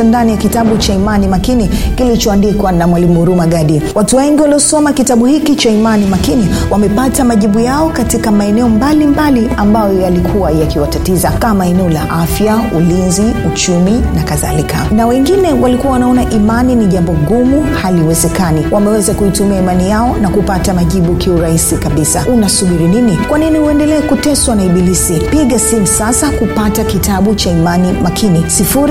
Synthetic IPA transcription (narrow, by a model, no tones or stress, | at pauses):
andanijakitaɓut͡ʃaimanimakinikilit͡ʃɔandikwanamwalimuɾumaɡaɗiwatuwɛŋɡiwaliɔsɔmakitaɓuhikit͡ʃaimanimakiniwamɛpatamaʄiɓujaɔkatikamaɛnɛɔmbalimbaliambajɔjalikʰuwajakiwatatizakamaɛnɛɔlaʔafjaulinziut͡ʃuminakaða̰likʰanawɛŋɡinɛwalikuwawanaɔnaʔimaniniʄambɔɡumuhaliwɛzɛkaniwʔamɛwɛzakuitumiaimanijaɔnakupatamaʄiɓukʰiuɾaisikaɓisaunasuɓiɾininikwaninihuɛndɛlɛːkutɛswanaiɓilisipiɠasim̩sasakupatakitʰaɓut͡ʃaimanimakʰinisifuɾi